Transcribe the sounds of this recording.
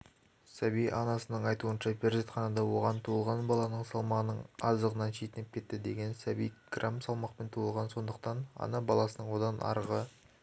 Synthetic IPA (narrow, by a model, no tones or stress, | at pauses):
sæbijɑnɑsənəɴɑjt̪uənʃɑpʰeɾʒet̪χɑnɑd̪ɑwo̞ʁɑnt̪ʰuəlˠʁɑnbɑlˠɑnəɴsɑlˠmɑʁənəɴɑzəʁənɑnʃejt̪ɪnɪp̚kʲʰe̞t̪ːɪd̪e̞ɡʲe̞nsæbijɡ̥rʔamsɑlˠmɑqpe̞nt̪ʰuəlˠʁɑnso̞nd̪əq̚t̪ɑnɑ̰nɑbɑlˠɑsənəɴwo̞d̪ɑnʔɑ̰ɾʁə